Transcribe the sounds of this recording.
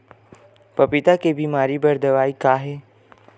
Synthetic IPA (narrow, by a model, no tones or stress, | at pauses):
pɐpɪt̪akebiːmaːɾibəɾd̪əʋaːikaːɦeː